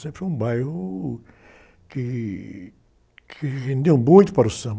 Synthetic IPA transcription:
sẽmpɾɪfojũbajhʊ | kɪ | kʰɪɣẽnd̪ewmũj̃t̪ʊpaɾʊsɐ̃b

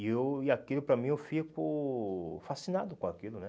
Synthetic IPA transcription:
ewiakilʊpɾɐmĩewfikʊ | fasinad̪ʊkõakilʊnɛ

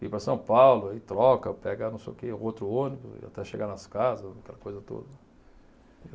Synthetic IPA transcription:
ipɾɐsɐ̃w̃pawlʊait̪ɾɔkɐpɛɡɐnɐ̃w̃sḛjʊkeṵ̃owt̪ɾʊõnɪbʊ̰ɪ̰a̰t̪ɛʃeɡanɐskazɐzakɛlɐkojzɐt̪o̰d̪ɐ

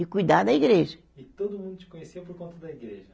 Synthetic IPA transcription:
ɪkujd̪aɾd̪ɐiɡɾeʒɐ | ɪt̪od̪ʊumũnd̪ut͡ʃi̥kõɲesewpoɾkõnt̪ɐd̪ɐiɡɾeʒɐ

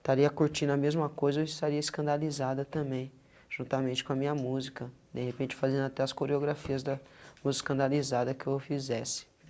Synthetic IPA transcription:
t̪aɾiɐkuɾt͡ʃĩnʊɐmezmɐkojzɐewɪst̪aɾiɐɪskɐ̃nd̪alizad̪ɐt̪ɐ̃mbẽj̃ | ʒ̥ũnt̪amẽnt͡ʃɪ̥kõɐmĩɲɐmuzikɐd̪ehepẽnt͡ʃɪ̥fazẽnd̪ʊat̪ɛɐskoɾeoɡɾafiɐzd̪ɐmuzɪskɐ̃nd̪alizad̪ɐkɪewfizɛsɪ̥

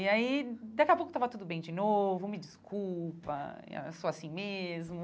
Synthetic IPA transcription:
iaid̪akiɐpowkʊt̪avɐt̪ud̪ʊbẽj̃d͡ʒɪnovʊomid͡ʒiskulpɐ̰soasĩmezmʊ

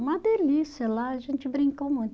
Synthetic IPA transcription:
ũmɐd̪elisiɐlaɐʒẽnt͡ʃɪbɾĩŋkomũj̃t̪

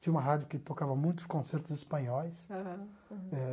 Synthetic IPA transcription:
t͡ʃ̪ʲĩɐ̃ũmɐɦad͡ʒʊkɪt̪okavɐmũj̃t̪ʊ̥skõseɾt̪ʊzispɐ̃ɲɔjs | ɛ

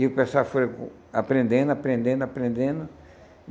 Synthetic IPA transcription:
iʊpẽsafoɾk | apɾẽnd̪ẽnd̪ʊapɾẽnd̪ẽnd̪ʊapɾẽnd̪ẽnd̪ʊ

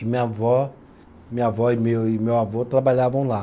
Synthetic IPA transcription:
ɪmĩɲavɔ | mĩɲavɔɪmewɪmewavot̪ɾabaʎavɐ̃w̃la

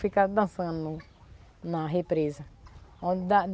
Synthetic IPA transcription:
fikad̪ãsãnũ | nãɦepɾezaõd̪ã

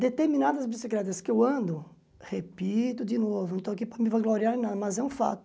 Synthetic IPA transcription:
d̪et̪eɾminad̪ɐzbisiklɛt̪ɐskɪewɐ̃nd̪ʊ | hepit̪ʊd͡ʒ̪ɪnovʊnɐ̃t̪oɐkipɾɐmĩvajɡloɾiaɾ̃nad̪ɐmɐzɛũfa̰t̪ʊ̥

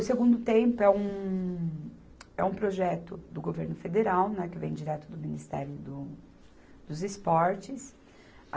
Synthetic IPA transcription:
ʊseɡũnd̪ʊt̪ẽmpʊɛũ | ɛũpɾoʒɛt̪ʊd̪ʊɡoveɾnʊfed̪eɾawnɛkɪvẽj̃d͡ʒiɾɛt̪ʊd̪ʊminist̪ɛ̰ɾjʊd̪ʊ | d̪̥ʊzɪspɔɾt͡ʃɪs

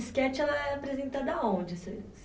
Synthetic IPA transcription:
skɛt͡ʃɪɛlɐɛapɾezẽnt̪ad̪ɐaõd͡ʒɛsɐs

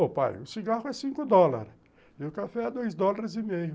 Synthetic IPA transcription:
opa̰jʊsiɡahʊɛsĩŋkʊd̪ɔla̰ɾ | ɪʊkafɛad̪ojzd̪ɔlaɾɪzɪmejʊ

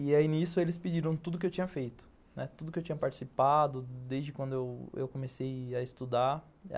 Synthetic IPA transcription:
iainisjʊelɪsped͡ʒiɾɐ̃w̃t̪ud̪ʊk̬ɪewt͡ʃĩɲɐfejt̪ʊ̥ | nɛ̰t̪ud̪ʊkɪewt͡ʃiɲ̃ɐpaɾt͡ʃi̥sipad̪ʊd̪ezd͡ʒɪkwɐ̃nd̪ʊewḛwkomesejɐɪst̪ud̪a

